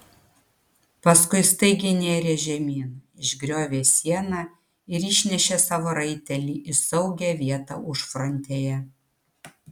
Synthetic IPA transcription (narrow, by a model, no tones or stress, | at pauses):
pɐskʊɪst̪ɐɪɡʲɪnʲeːɾʲeːʒʲɛmʲiːnɑɪʒʲɡɾʲoːʋʲeːsʲiɛnɑ | ɪɾɪʃʲnʲɛʃʲesɑːʋoːɾɐɪt̪ʲɛlʲiːʔɪsɐʊɡʲɛˑʋʲiɛt̪ɑ̰ːʊʃfɾɔnʲt̪ʲeːjɛ